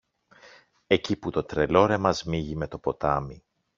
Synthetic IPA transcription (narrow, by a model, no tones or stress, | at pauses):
e̞ciput̪o̞t̪ɾe̞lo̞ɾemɐzmiʝime̞t̪o̞po̞t̪ɐmi